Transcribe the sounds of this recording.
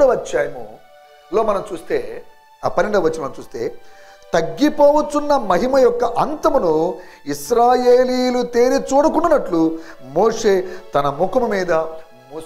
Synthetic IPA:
ɐʋɐt͡ʃːaːjɐmu | lo̞ːmɐnɐmt͡ʃuːst̪eː | pɐniɳɖɐɐʋɐt͡ʃːɐmɐnɐmt͡ʃuːst̪e̞̰ː | t̪ɐɡːipoːʋut͡ʃunːɐmɐɦimɐjɔkːɐʔɐnt̪ɐmɐnuisɾaːjeːliːjlut̪eːɾit͡ʃuːɽukunːɐnːɐʈlu | moːʂe̞ːt̪ɐnɐmukɐmumiːd̪ɐ | mu

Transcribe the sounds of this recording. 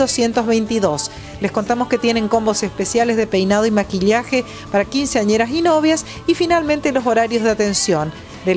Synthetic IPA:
ðosjent̪o̞zβejnt̪iðo̞s | lesko̞nt̪amo̞ske̞t̪je̞ne̞ŋko̞mbosespesjalezðepejnað̞o̞imakiʎaxe̞ | paɾakinseaɲeɾasino̞β̞jas | ifinalment̪e̞lo̞so̞ɾaɾjo̞zð̞eat̪e̞nsjon | d̪e

